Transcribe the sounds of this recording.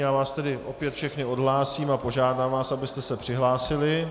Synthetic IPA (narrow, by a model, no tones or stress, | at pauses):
jaːvaːst̪ɛdɪʔo̞pjɛt̪fʃɛxnɪo̞dɦlaːsiːmapo̞ʒaːdaːmvaːsabɪst̪ɛsɛpr̝̥ɪɦlaːsɪlɪ